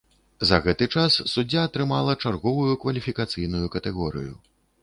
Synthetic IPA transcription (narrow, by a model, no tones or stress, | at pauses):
zɐɣɛt̪ɨt͡ʂassud͡zʲːaːt̪ɾɨmalˠɐt͡ʂarɣɔvujukvɐlʲifʲikat̪sɨjnujukɐt̪ɛɣɔɾɨ̰jṵ